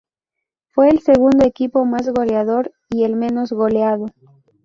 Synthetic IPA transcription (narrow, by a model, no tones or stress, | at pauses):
fwe̞ːlse̞ɣund̪oekipo̞mazɣo̞leaðo̞ɾ | ielmẽno̞zɣoleaðo